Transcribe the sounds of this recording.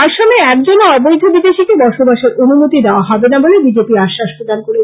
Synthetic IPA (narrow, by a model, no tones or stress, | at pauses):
aɾʃɔmaeɛk̚d͡ʑonoɔbojd̪ʱobid̪eʃikebɔɾʃobaʃeɾonumot̪id̪eoaɦɔbenabolebid͡ʑepiɾaʃːaʃpɾod̪ankoɾee